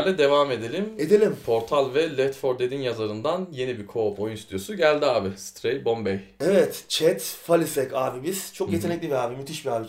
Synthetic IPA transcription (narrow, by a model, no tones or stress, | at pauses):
ɾlʲɛd̪e̞vame̞d̪e̞lʲime̞d̪elʲimpʰo̞ɾt̪ʰalʲvɛlʲɛt̪foɾd̪e̞d̪injazaɾɯnd̪anje̞nibikʰo̞pʰo̞junst̪ʰjo̞suɟælʲd̪iaːbist̪ʰɾejbo̞mbɛjevɛt̪t͡ʃʰɛt̪falʲisɛkaːbibiz̥t͡ʃʰo̞kje̞t̪ʰe̞nɛcʲlʲibiaːbimyt̪ʰiʃbiaːbi